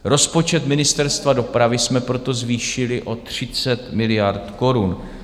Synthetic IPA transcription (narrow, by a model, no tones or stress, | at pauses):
ɾo̞spo̞t͡ʃɛt̪mɪnɪst̪ɛɾst̪vado̞pɾavɪsmɛpɾo̞t̪o̞zviːʃɪlɪʔo̞t̪r̝̥ɪt͡sɛt̪mɪlɪjaɾt̪ko̞ɾun